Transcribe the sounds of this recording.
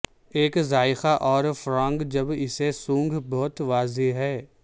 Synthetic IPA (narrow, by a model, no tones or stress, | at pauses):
eːkzaːɪxaʔɔːɾfɾãːŋɡd͡ʒɐbɪsesũːŋɡʱbɔɦʊt̪ʋaːzeɦɛː